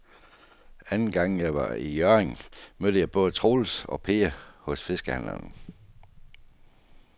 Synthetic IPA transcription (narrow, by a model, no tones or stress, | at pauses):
ænn̩ɡ̥ɑ̈ŋ̰jɑ̈ɪʋɑ̈ijœɐʁeŋmød̥əjɑ̈ɪb̥ɔ̽ːðˠət͡sʰʁo̝ːlsɒ̽pʰe̝ːɐhɔ̽sfe̝sɡ̥əhæn̰ɐ̰n